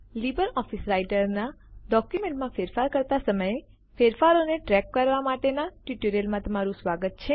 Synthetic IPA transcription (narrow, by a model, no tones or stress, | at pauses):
libəɾɔfisɾajʈəɾnaɖɔkjumẽɳʈmãfeɾfaɾkəɾt̪asəməje | feɾfaɾoneʈɾɛkːəɾʋamaʈenaʈjuʈoɾijəlmãt̪əmaɾũsʋaɡət̪̚t͡ʃʰe